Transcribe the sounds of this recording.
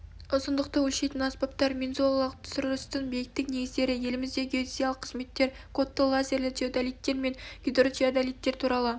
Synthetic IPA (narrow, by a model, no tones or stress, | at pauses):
ʊzənd̪əq̚t̪əwɵlʃe̞jt̪ɪnaspɑp̚t̪ɑɾmʲenzolˠɑlˠəq̚t̪ʰʊ̥sʊɾəst̪əɴbejɪk̚t̪ːɪkne̞ɡɪzd̪e̞ɾɪje̞lɪmɪzd̪e̞ɡʲeosʲijalˠəqʰːəzme̞t̪ːe̞ɾ | kʰot̪ːəlˠazʲe̞ɾlɪt̪ʰeod̪alijt̪ːe̞ɾme̞ŋɡ̥ʲɪd̪rot͡ʃiad̪alʲijt̪ːe̞ɾt̪ʰuɾɑlˠə